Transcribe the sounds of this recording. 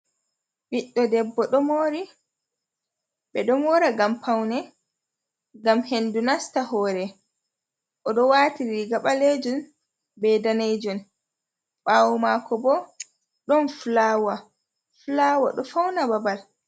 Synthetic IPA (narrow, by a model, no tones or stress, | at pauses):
ɓiɗːɔdɛbːɔɗɔmoːɾi | ɓɛɗɔmwɔɾaɡampawnɛ | ɡamhendunastahɔːɾɛ | ʔɔɗɔwaːtiɾiiɡaɓaled͡ʒɔn | bɛdanejd͡ʒɔn | ɓawumakɔbɔ | ɗɔnflawa | flawa̰ɗɔfawnababal